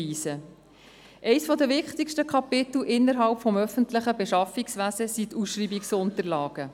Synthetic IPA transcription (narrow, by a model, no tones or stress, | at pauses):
iːsə | ʔɛɪsfɔd̪əvɪχtɪkʃtəkʰɑpɪt̪l̩ʔɪnːəɾɦɑlpfɔmœfəntləχəbɛʃɑfiksʋæzəsit̪usʃriːbiksʊntəɾlɑːɡ̥ə